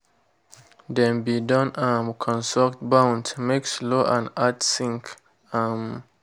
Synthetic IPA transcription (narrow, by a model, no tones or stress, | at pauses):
dɛ̃nbidʌ̃nãmkʰɔ̃nsɔktbãʊndmeksloʔãnatsĩŋk | ãm